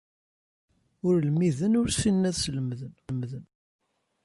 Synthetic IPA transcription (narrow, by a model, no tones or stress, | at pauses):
ʊɾlmiðənʊɾsinːæðsələmðənmðən